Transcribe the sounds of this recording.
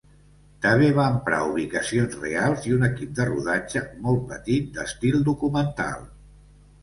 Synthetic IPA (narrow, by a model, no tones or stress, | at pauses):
t̪əβeβaːmpɾa̰uβ̞ikəsionzrḛalˠziunəkip̚d̪əruðad͡ʒəmɔlˠt̪̚pət̪it̪̚d̪əst̪ilˠd̪ukumənt̪a̰lˠ